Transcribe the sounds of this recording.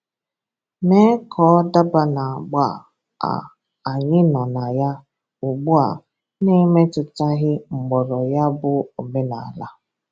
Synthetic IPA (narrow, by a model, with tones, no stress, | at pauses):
ne˦kʰɔ˨˦da˦ba˦na˨ɡ͡ba˦˨ | a̰˨ | a˨ɲɪ˦nɔ˨na˨ja˦ | u˨ɡ͡bu˦a̰˨ | ne˦me˦tʊ˨ta˦ɣɪ˦ŋ͡m̩˨ɡ͡bɔ˨ɾɔ˨ja˦bʊ˦o˨me˦na˨la˦